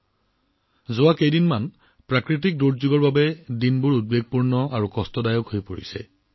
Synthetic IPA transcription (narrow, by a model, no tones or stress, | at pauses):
zʊwakejdinman | pɹakɹit̬ik̚doɹzuɡɔɹbabɛdinbʊɹud̚beɡ̚puɹnɔaɹukɔstɔdajɔkhojpoɹḭsɛ̰